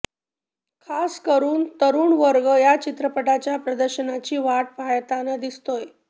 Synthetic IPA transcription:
kʰaskəɾuːnt̪əɾuːɳʋəɾɡəjat͡ɕit̪ɾəpəʈat͡ɕjapɾəd̪əɾɕənat͡ɕiːʋaʈ̚pajt̪anəd̪ist̪oj

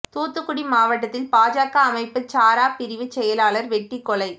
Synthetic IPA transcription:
t̪uːt̪ːɯkːʊɽimaːʋɐʈ̬ːɐt̪ːɪlpaːd͡ʒaːkːɐːmɐɪpːɯt͡ʃaːɾaːpɪɾɪʋɯt͡ʃːɛjɐlaːlɐɾʋɛʈːikːɔɭɐɪ

